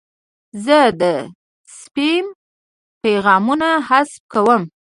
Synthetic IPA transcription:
zəd̪ə | spim | peɣɑmunahasp̚kawəm

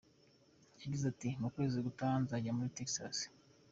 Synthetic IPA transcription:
jaɟizatimukwe̞ːziɡutaːnzaɟamuɾiteksa̰s

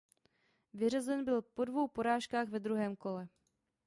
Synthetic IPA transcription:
vɪrazɛnbɪlpo̞dvo̞wpo̞ɾaːʃkaːɣvɛd̪ɾuɦɛːmko̞lɛ

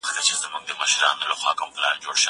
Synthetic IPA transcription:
t̪at͡ʃɪzəmʊŋd̪əməʃɾɑ̰ːnolaxʷwɑ̰ːkəmplɑ̰ːnd͡ʒoɽʃə

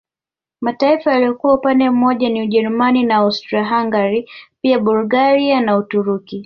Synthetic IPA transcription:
mataifajalijɔkuwaupandɛm̩mɔʄaniuʄɛɾumaninaawstɾaɦaŋɡaɾipiaɓuluɡaɾianautuɾuki

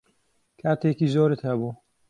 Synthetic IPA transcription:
kʰaːt̪eːkiːzoːɾɨt̪hɐbuː

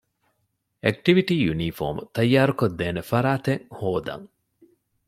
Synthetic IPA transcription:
ek̚ʈiʋiʈiːjuniːfo̰ːmut̪ɐjːaːɾukod̪ːeːnefɐɾaːt̪eŋhoːd̪ɐ̰ŋ

